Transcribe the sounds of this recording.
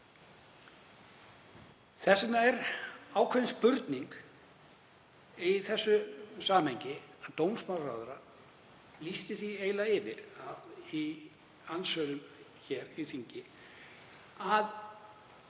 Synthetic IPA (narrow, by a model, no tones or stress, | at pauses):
θɛsat̪naɛɾaːwkʰvɛɪnspʏɾt̪niŋk | iθɛsːʏsaːmhejɲcɪaðt̪owmsmawra̰ːwðʏɾa | list̪ɪθieːjlaɪvɪɾaði | ansœːlʏm | çɛːɾiθiɲcɪ | að